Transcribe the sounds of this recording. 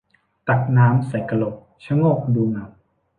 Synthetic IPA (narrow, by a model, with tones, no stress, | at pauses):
t̪a˨˩k̚naː˦˥msa˨˦jka˧lo˨˩p̚t͡ɕʰa˦˥˦ŋoː˥˩k̚duː˧naː˨˩˦m